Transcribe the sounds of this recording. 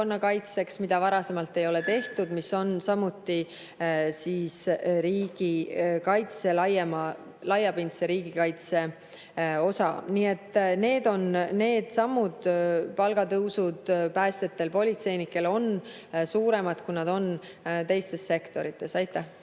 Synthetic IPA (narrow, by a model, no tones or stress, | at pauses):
onːɑkɑjt̪se̞ksmid̪̥ɑvɑɾɑse̞mɑlt̪ːe̞jo̞le̞t̪e̞ht̪ud̪miso̞nsɑmːut̪ːi | siːsɾiːɡ̥ikɑjt̪se̞lɑjemɑ | lɑjːɑpint̪seɾiːɡ̥ikɑjt̪se̞ | o̞sɑ̰niːe̞t̪ːˑne̞ːd̪̥o̞nne̞ːd̪̥sɑmːud̪̥pɑlɡ̥ɑt̪ɤwsud̪̥pæːst̪e̞t̪ːe̞lpo̞lʲit̪se̞jnikːˑe̞lo̞n | suːɾe̞mɑd̪̥kujnɑd̪̥o̞n | t̪e̞jst̪e̞sːe̞kt̪o̞ɾit̪ːˑe̞sɑjt̪ːˑæh